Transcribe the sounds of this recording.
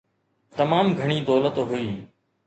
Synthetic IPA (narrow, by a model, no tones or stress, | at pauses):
t̪ɐmaːmɡʱəɽ̃iːd̪oːlət̪ɦʊiː